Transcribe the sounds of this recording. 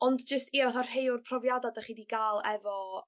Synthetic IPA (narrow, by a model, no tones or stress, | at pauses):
ɔndd͡ʒəstiɔaθɔr̥hejʊrpʰrɔvjadadaχiːdiɡalˠɛvɔ